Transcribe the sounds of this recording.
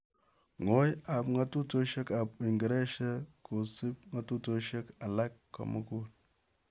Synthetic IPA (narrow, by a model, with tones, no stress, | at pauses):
ŋo˦ja˨pŋa˦tu˦to˦ʃe˦ka˨pi˨ŋɡə˨ɾe˦ʃe˦ko˨si˦p̚ŋa˦tu˦to˦ʃe˦ka˨la˦kːo̰˨mṵ˦ku˦l